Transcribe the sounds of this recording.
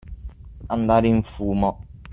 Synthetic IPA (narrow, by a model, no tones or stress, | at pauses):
and̪aɾin̩fuːmɔ